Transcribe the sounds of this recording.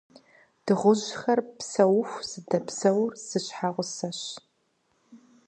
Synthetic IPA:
d̥ɨʁʷʊʑxɐrpsɐwxʷz̥ɨdɐpsɐwrz̥ɨɕħaʁʷʊsɐɕ

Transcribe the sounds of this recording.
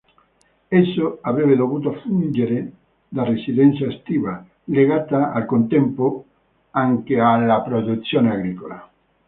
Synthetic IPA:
ɛsːoavɾɛβed̪ovuːt̪ofund͡ʒeɾe | d̪aresiðɛnt̪sjaest̪iːva | leɣat̪aalkont̪ɛmpo | aŋkealːapɾod̪ut̪sːjoːneaɣɾikola

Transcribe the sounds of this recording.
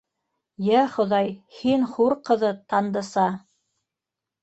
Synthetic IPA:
jæχŏðɑjhinχuɾqɤ̆ðɤt̪ɑnd̪ɤ̆sɑ

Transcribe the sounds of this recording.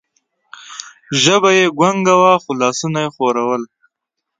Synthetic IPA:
ʒəbajeɡwaŋɡawaxʊlɑːsunajexoɾawəl

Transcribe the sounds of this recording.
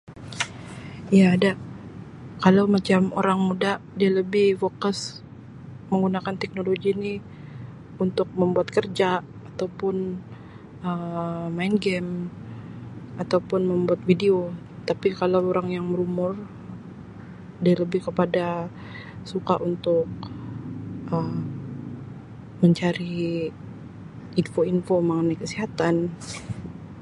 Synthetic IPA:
jaːdaʔ | kalawmat͡ʃamo̰ɾaŋmudaʔdialəbɪhfokəs | məŋɡunakant̪ɛk̚noloɡini | unt̪ʊk̚məmbuat̪kərd͡ʒa | at̪awpʊn | əmainɡɛm | at̪awpʊnməmbuat̪̚fideo | t̪apikalawoɾaŋjaŋməɾumʊr | daləbɪhkəpada | sukaʔunt̪ʊk̚ | ʔəm | məɲt͡ʃaɾi | infoinfomaŋənajkəsiɦat̪an

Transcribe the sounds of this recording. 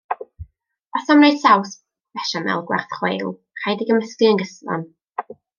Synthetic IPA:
ɔsamnejd̥saws | vɛʃamɛ̰lˠɡwɛ̰rθχwḛjlˠ | χajdiɡəməskiənɡəsvɔ̰n

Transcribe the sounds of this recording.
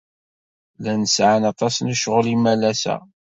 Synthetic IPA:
lænəsʕanɑt̪ˤɑsnəʃʁəlimælæsæ̰

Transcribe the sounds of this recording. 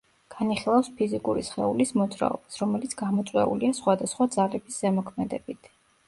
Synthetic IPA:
ɡ̥aniχilˠafspʰizikʼuɾisχɛulismɔd̪zɾa̰ɔ̰b̥asɾɔmɛlit̪sʰɡamɔt̪sʼwɛ̰ṵliasχwad̪asχwad̪zalɛbiszɛmɔkʰmɛd̪ɛbit̪ʰ

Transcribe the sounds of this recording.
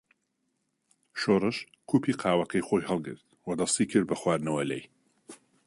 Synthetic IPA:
ʃoːɾɨʃ | kʰuːpiːqʰɑːwɐkʰɐjxojɦɐlˠɡɨ̰ɾt̪wɐd̪ɐst̪iːkʰɨɾd̪̚bɐxwaːɾnɐwɐlɛj

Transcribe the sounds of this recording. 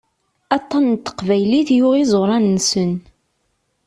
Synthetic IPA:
ɑt̪ˤːɑnt̪ːə̥qvæjliθjʊʁizˤoɾˤɑnːəsən

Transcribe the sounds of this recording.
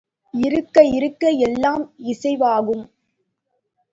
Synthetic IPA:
ɪɾɯkːɐɪɾɯkːɐjɛlːaːmɪsɐɪʋaːɣɯm

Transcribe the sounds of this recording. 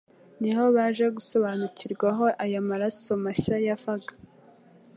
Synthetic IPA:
niho̞βaːʒe̞ɡuso̞βaːnuciɾɡwaɦo̞ʔajamaɾasomasajafaɡḁ

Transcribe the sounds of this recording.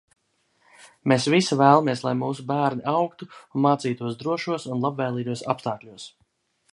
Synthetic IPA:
mesvisivæːlˠamiɛslˠajmuːsubæːɾnʲiʔawkt̪unmaːt̪siːt̪uɔsd̪ɾuɔʃuɔsunlˠabvɛːlˠiːɡ̪uɔsa̰pst̪aːklʲuɔs

